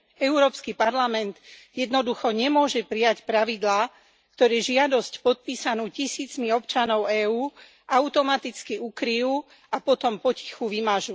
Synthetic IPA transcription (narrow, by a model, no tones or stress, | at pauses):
ɛuɾɔːpskipaɾlamɛnd̪jɛd̪nɔd̪uxɔɲɛmʊɔʒɛpɾijacpɾaʋid̪laː | kt̪ɔɾɛːʒɪad̪ɔscpɔt̪̚piːsanuːcisiːt͡smiɔpt͡ʃanɔʊɛːuː | ʔaʊt̪ɔmat̪it͡skiukɾijuː | apɔt̪ɔmpɔci̥xuʋimaʒuː